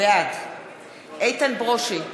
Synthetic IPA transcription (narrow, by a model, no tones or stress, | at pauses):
ead | ʔejt̪anbʁoʃi